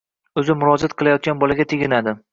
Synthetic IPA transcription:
ɵzɪmʊɾɒd͡ʒat̪̚qʰɨlˠajɒt̪̚ɡʲanbɒlaɡʲat̪ʰeɡʲɪnad̪ɪ

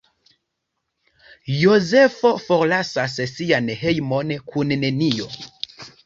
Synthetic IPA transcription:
jo̞ze̞fo̞fo̞ɾlasas̬sianɦe̞jmo̞nkʰunːe̞nio̞

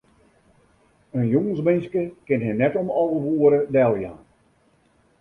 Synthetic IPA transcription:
ənjoŋənsmɪnskəkɪnɦɛnɛtomɔlˠɣəʋuəɾədɛlˠjan

